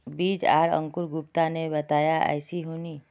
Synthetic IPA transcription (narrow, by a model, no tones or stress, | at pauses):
biːd͡ʒa̰ːɾə̰̃ŋkʊɾɡʊpt̪anebɐt̪aːjaʔɛ̰ːsiɦoːni